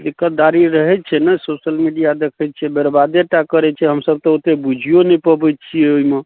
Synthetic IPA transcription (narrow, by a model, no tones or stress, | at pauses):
likət̪̚d̪aɾiɾəɦɛt̪t͡ʃʰɛnɛsosəlmiɖijad̪ekʰɛt̪̚t͡ʃʰɛbeɾbad̪eʈakəɾɛt͡ʃʰɛɦəmsəb̚t̪ɔot̪ebud͡ʒʱijonɛpəbɛjt̪t͡ʃʰijɛoime